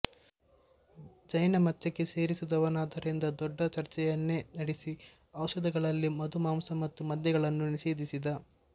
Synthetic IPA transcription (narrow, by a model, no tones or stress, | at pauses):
d͡ʒɐjnɐmɐt͡ʃːɐkːese̞ːɾisid̪ɐʋɐnaːd̪ɐɾind̪ɐd̪ɔɖːɐt͡ʃɐɾt͡ʃɛjɐnːe̞nɐɽesi | ɐʋwʃɐd̪ɐɡɐɭɐlːimɐd̪umaːmsɐmɐt̪ːumɐd̪jɐɡɐɭɐnːuniʃeːd̪isid̪ɐ